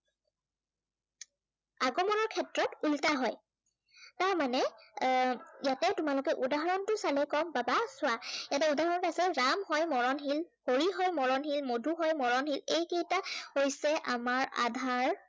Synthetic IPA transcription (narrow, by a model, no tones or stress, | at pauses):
aɡɔmɔnɔɹkʰɛtɹɔtultaɦɔj | taɹmanɛ | jatɛtʊmalʊkɛʔudaɦaɹɔntʊsalɛkɔmbabasʊajat̬ɛudaɦɔɹɔntasɛɹamhɔjmɔɹɔnɦilhoɹiɦɔjmɔɹɔnɦilmodʱuɦɔjmɔɹɔnɦilejketahojsɛʔamaɹa̰dʱaɹ